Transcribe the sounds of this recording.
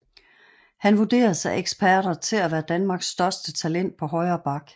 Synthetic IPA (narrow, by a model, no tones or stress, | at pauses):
hænʋud̥e̝̰ːɐð̩ˠsɑ̈ɪeɡ̥sb̥ʰæɐɾ̥ɐt͡sʰe̝læʋæːɐd̥ænmɑ̈ːɡ̥sːd̥ɶɐsd̥ət͡sʰælen̰d̥̚pʰɒ̽ɦɒ̽ɪɐːb̥ɑ̈ɡ̥